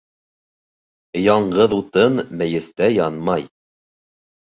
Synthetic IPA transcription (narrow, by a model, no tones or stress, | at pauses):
jɑɴɢɤðut̪ɤnmæ̆jɘ̆st̪æjɑnmɑj